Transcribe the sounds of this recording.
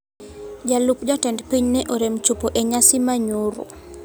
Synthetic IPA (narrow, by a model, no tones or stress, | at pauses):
d͡ʒalupd͡ʒatɛndpiɲnɛʔoɾemt͡ʃupoʔeɲasimaɲuɾʊ̰